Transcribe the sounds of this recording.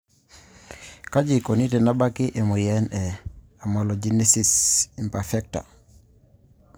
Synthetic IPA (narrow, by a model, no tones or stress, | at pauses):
kad͡ʒikonitɛnabakiʔemujɛnɛ | amɔlɔd͡ʒinisisimpafɛk̚ta̰